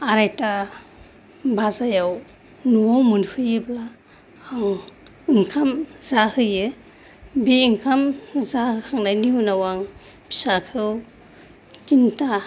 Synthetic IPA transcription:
aɾajta | bazajaw | nuwawmɯnhʰɯjɯblaː | ŋ | ɯŋkʰamzahɯjɯ | beiŋkʰamzahɯkʰaŋnajniunawaŋ | pʰi̥sakʰɯw | tinta

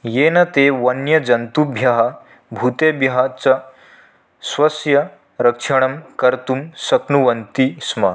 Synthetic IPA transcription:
jeːnɐt̪eːʋɐnjɐd͡ʒɐnt̪ubʱjɐɦɐ | bʱut̪eːbjɐɦɐt͡sɐ | sʋɐsjɐ | ɾɐkʂɐɳ̃ɐmkɐɾt̪umsɐknuʋɐnt̪ismɐ

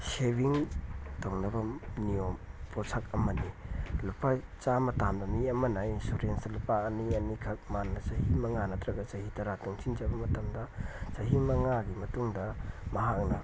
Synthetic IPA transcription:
sebiŋtownɐbɐniompʰosʰakɐmɐnilupat͡ʃamɐtamdɐmiɐmɐnɐinsuɾensdɐlupaːniɐnikʰɐk̚manːɐt͡ʃɐhimɐŋanɐtʰɾɐɡɐt͡ʃɐhitɐɾatuŋt͡ʃʰind͡ʒɐbɐmɐtɐmdɐt͡ʃɐɦimɐŋaɡimɐtuŋdɐmɐɦak̚nɐ

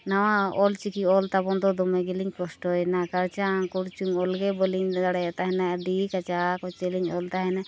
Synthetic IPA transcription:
nawãɔlt͡ʃikiɔlt̪abɔnd̪ɔd̪ɔmɛɡɛliɲkɔsʈɔjnakaɾt͡ʃaŋkɔɽt͡ʃuŋɔlɡɛbɔliɲaɽɛat̪aɦɛnaɖikat͡ʃakɔt͡ʃɛliɲɔlt̪aɦɛna

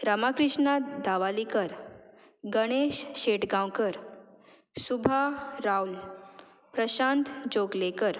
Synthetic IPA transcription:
ɾəmakɾiʂɳad̪aʋalikəɾ | ɡəɽ̃eɕɕeʈɡãwkəɾ | subʱaɾaul | pɾəɕant̪d͡ʑoɡlekəɾ

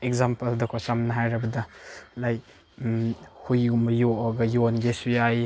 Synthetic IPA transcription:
ekzampɐldɐkʰasamnɐɦajɾɐbɐdɐlaj | hujumɐjoʔɔɡɐjonɡesuja

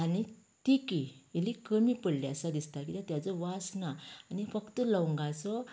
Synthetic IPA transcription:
ani | t̪ikielikəmipəɽleasad̪ist̪akit̪ãt̪jat͡sɔʋasnaːnifəkt̪əlɔwŋɡat͡sɔ

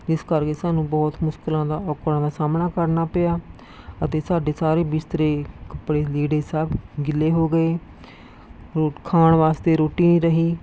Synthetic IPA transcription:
d͡ʒɪskəɾkeːsaːnũːbɔːt̪mʊʃkɪlãːd̪aːɔːkɾãːd̪aːsaːmnaːkəɾnaːpeaː | ət̪eːsaːɖeːsaːɾeːbɪst̪əɾeːkəpɽeːliːɖeːsaːbɡɪleːɦoːɡəeː | ɾoːkʰaːɳʋaːst̪eːɾoːʈiːnĩːɾəɦiː

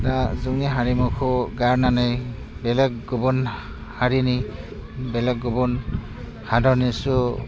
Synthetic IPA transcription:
nazuŋniɦaɹimukʰɔɡaɹnanej | bɛlɛkɡubɔn | haɹini | bɛlɛɡ̚ɡubɔn | hadʱɔnisu

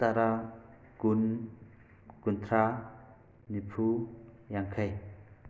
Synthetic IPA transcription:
t̪aɾa | kun | kunt̪ʰɾa | nipʰu | jaŋkʰəj

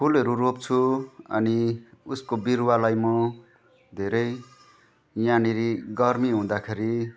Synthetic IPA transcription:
pʰulɦʌɾuɾopt͡sʰuʌ̰niuskobirwalajmʌ | d̪ʱeɾʌj | janiɾiɡʌrmiɦũd̪akʰeɾi

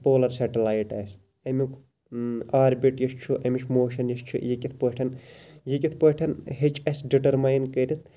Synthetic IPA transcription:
poːlɐɾsɐʈɐlaːjʈɐːs | emʲuk | aːɾbiʈjɐʃt͡ʃʰuʔɐmiʃʰʲmoːʃɐnjɐʃt͡ʃʰṵjikʲit̪ʰpəʈʰɐnjikʲit̪̚ʰpəʈʰɐnhet͡ʃʰʼɐsɖiʈɐɾmajnkəɾʲit̪̚ʰ

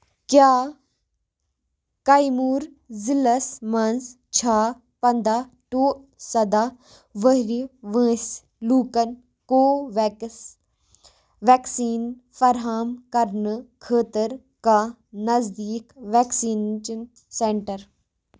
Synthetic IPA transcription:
kjaː | kajmuːɾ | zilɐsmɐns | t͡ʃʰaː | pɐnd̪aː | ʈoːʔ | sɐd̪aː | ʋəɦɾiʋə̃ːs | luːkɐn | koːʋ | ʋɛːksiːn | fɐɾɦaːmkɐɾnkʰəːt̪əɾ | ka | nɐzd̪iːkʋɛːksiːnt͡ʃn | sẽɳʈəɾ

